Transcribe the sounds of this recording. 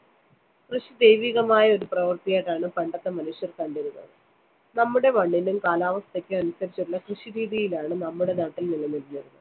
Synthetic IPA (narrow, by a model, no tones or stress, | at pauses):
krɨɕid̪e̞jʋiːɣɐmaːjɐo̞ɾuprɐʋɐrt̪ijeːʈːaːɳɨpɐɳɖɐt̪ːɐmɐnuɕjɐrkɐɳɖiɾunːɐ̰ðɨ | nɐmːuɽe̞ʋɐɳːinumkaːlaːʋɐst̪ɐkʲːɨɐnusɐɾit͡ɕːuʈuɭːɐkrɨɕiɾiːðijilaːɳɨnɐmːuɽe̞naːʈːilnilːɐnilniɾunːɐɨ